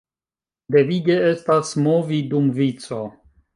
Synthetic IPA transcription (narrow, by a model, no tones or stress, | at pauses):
d̪e̞viɡe̞estasmo̞vidumvit͡so̞